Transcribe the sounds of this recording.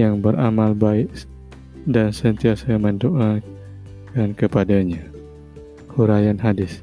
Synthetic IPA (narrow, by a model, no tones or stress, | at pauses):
jaŋbəɾa̰malbaɪʔ | dansənt̪iasaməndoʔa | kankəpadaɲa | huɾajanɦadɪs